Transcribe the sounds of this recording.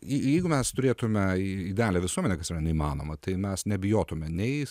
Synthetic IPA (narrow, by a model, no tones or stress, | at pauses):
jjɛɪɡʊmʲɛst̪ʊɾʲeːt̪ʊmʲɛid̪ʲæːlʲeʋʲɪsuɔmʲɛnʲɛkɐsirɐnʲɛimɑːno̰mɐt̪ɐɪmʲɛsnʲɛbʲɪjoːt̪ʊmʲɛnʲɛɪ